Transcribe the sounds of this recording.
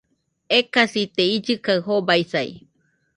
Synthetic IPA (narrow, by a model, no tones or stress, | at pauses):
ekasit̪eid͡ʒɨkaɨɦobajsaj̰